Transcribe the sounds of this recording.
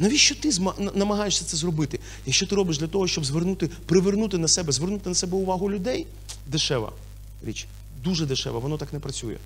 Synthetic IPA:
nɐʋʲiʃt͡ʃɔt̪ɪzmɐnɐmɐɦɑjeʃsʲɐt̪sɛzrɔbɪt̪ɪ | jɐkʃt͡ʃɔt̪ɪɾɔbɪʃ̬d̪lʲɐt̪ɔɦɔʃt͡ʃɔbzʋernut̪ɪpɾɪʋernut̪ɪnɐsɛbɛzʋernut̪ɪnɐsɛbɛʊʋɑɦʊlʲʊd̪ɛj | d̪eʃɛʋɐ̰ | ɾʲit͡ʃ | d̪uʒɛd̪ɪʃɛ̰ʋɐʋɔnɔt̪ɑknɛpɾɐt͡sʲujɛ̰

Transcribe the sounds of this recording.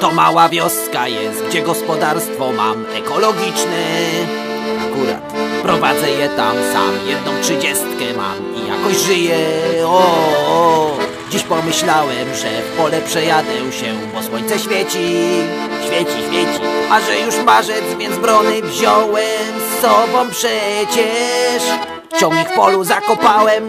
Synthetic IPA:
t̪ɔmawavʲjɔskajɛst̪̚ɡd͡ʑɛɡɔspɔd̪aɾst̪fɔma̰m | ɛkɔlɔɡʲit͡ʂnɛ | akuɾa̰t̪pɾɔvad̪zɛjɛt̪amsa̰mjɛd̪̚nɔ̃w̃tʂɘd͡ʑɛst̪kɛma̰m | ija̰kɔʑʐɘjɛɔ | d͡ʑiɕpɔmɘɕlawɛmʐɛfpɔlɛpʂɛjad̪ɛ̃ɕɛ | bɔswɔɲʲt̪sɛɕfʲjɛt͡ɕi | ɕfʲjɛt͡ɕiɕfʲjɛt͡ɕiaʐɛjuʂmaʐɛd̪zmʲjɛnd̪zbɾɔnɘvʑɔwɛmsːɔbɔ̃w̃pʂɛt͡ɕɛʂ | t͡ɕɔ̃ŋ̃ɡikfpɔluzakɔpawɛm

